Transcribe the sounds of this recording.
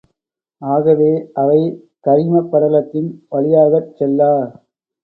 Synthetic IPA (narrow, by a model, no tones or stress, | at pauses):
aːɣɐʋeːʔɐʋɐɪ | kɐɾɪmɐpːɐɾɐlɐt̪ːɪnʋɐɭɪjaːɣɐt͡ʃːɛlːaː